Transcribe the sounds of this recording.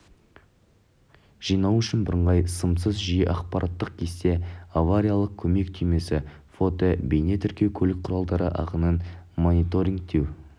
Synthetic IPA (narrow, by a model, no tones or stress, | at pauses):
ʒ̥ijnɑwʏʃɪnbəɾəɴʁɑjsəmsəzʒijəʔɑqpɑɾʔat̪ːəq̚kʲʰe̞st̪e̞avaɾʲijalˠəq̚kʲʰɵme̞kt̪ʰʏjme̞sɪfot̪obe̞jne̞t̪ʰʏɾkʲe̞wkʲʰɵlɪk̚qʰʊɾɑlˠd̪ɑɾə̰ʔɑ̰qənənmonit̪o̞ɾiŋɡ̚t̪e̞w